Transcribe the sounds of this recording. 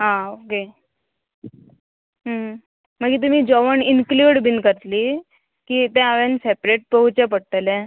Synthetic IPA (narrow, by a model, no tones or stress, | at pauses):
ɦãoke | ɦə | məɡiːt̪um̤iːd͡ʑɔʋəɳinkluɽbʱinkəɾt̪liː | kiːt̪ɛ̃aʋẽnsepɾeʈ̚pəɦut͡ɕap̬əɽt̪əlẽ